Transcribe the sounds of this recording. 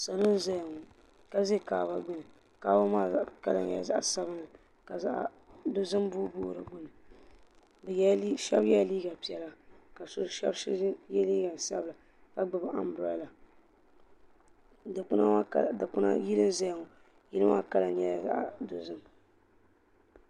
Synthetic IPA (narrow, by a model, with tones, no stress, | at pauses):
sa˨lʊ˦n˦za˦jŋo˨ | ka˦ze˦kaː˨ba˦ɡ͡bʊ˦nɨ˨ | kaː˦ba˦maː˦˨ka˦la̰˨ɲɛ̰˨za̰˦ʔa˨sa˦bɨ˦nɨ˨ | ka˨za˦ʔ | dʊ˦zɨ˦mbu˦boː˦˨ɾɨ˨ɡ͡bʊ˦nɨ˨ | bi˦ʃɛ˦bjɛ˦liː˦ɡa˨pi˨ɛ˨la˦ka˨sʊ˦ʃɛ̰˦bjɛ˦liː˦ɡa˨n˨sa̰˦bla˨ | ka˨ɡ͡bɨ˨ba˨ʔa˨mbɾa˦la˨ | kʊ˦na˦˨da˨kʊ˦na̰˦ji˦lɨ˦mza˦jŋo˨ | ji˦ɨ˦ma̰ː˦ka˦la˨ɲɛ˦˨za̰˦ʔdʊ˨zɨ˦m